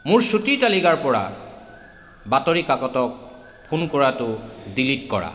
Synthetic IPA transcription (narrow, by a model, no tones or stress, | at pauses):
mʊɹsutitalikaɹpɔɹa̰ | batoɹikakɔtɔk̚ | pʰunkɔɹatʊdilitkɔɹa̰